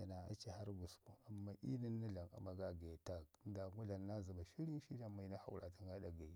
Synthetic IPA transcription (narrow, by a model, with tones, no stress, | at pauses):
a˨na˨a̰˦t͡ʃe˨ha˦ɾɡu˨sku˨a˨mːa˦ʔḭ˦ni˦nːa˦ɮa˨ŋa̰˨ma˨ɡa˦ɡe˨ta˦k̚da˨ŋɡu˦ɮa˨nːa˦za˨ba˨ʃi˦ɾi˦ŋ˦ʃi˦na˦ma˨i˦na˦ha̰˨wɾʔa˨ta˦ŋɡa˦da˨ɡa˨